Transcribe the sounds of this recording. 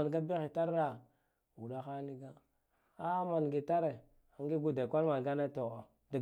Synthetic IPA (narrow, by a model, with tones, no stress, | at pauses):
a˨nɡa˦bi˦xi˨ta˦ɾa˨ | u˨ɗa˦xa˦ni˦ɡa˦ | a˦ma˨nɡi˨ta˦ɾe˨ | a˨ŋɡi˦ɡu˦da˨kʷa˦lma˨n˨ɡa˦na˦to˨ɣo˨ | da˨